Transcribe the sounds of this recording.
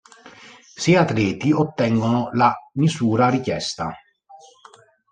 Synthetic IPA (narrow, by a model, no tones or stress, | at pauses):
siat̪lɛːt̪iot̪ːɛŋɡonolamizuːɾaɾikjɛst̪a̰